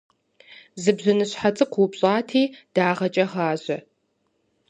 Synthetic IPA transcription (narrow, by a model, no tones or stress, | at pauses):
zɨbzɐnɨɕħat͡sʼɨqʷupɕʼaːtʰiːd̥aːʁɐt͡ʃʼɐʁaːʑɐ